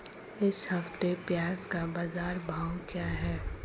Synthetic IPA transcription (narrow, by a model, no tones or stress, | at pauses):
ɪshɐft̪epjaːzkabaːzaːɾbʱaːwkjaːɦɛː